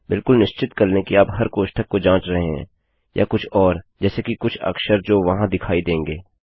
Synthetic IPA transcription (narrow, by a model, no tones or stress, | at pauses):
bɪlkʊlnɪʃt͡ʃɪt̪kɐɾnekiaːpɦɐɾkoːʃʈʰəkkod͡ʒãːt͡ʃɾɐɦeɦɛ̰̃ː | jʔa̰kʊt͡ʃʰɔːɾd͡ʒɛːsekikʊt͡ʃʰɐ̰kʃəɾd͡ʒoːʋɐɦãd̪ɪkʰaːid̪ẽːŋɡeː